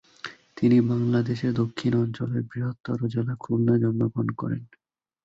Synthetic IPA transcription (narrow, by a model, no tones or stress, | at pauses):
t̪inibaŋlad̪eʃeɾd̪okʰːinɔnt͡ɕoleɾbɾiɦot̪ːɔ̰ɾod͡ʑelakʰuɾnad͡ʑɔnːoɡɾonkɔ̰ɾḛn